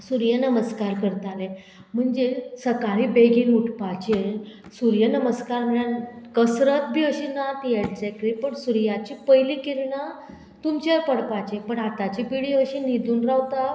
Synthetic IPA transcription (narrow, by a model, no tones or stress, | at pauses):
suɾjənəməskaɾkəɾt̪ale | m̤əɳd͡ʑesəkaɭibeɡiːnuʈʰpat͡ɕe | suɾjənəməskaɾm̤əɳjankəsɾət̪bʱiːəɕinat̪ijeɽt͡ɕɛkɾipəɳsuɾjat͡ɕipəjliːkiɾɳa | t̪umt͡ɕepəɽpat͡ɕepəɳat̪at͡ɕipiɭiəɕinid̪uːnɾawt̪a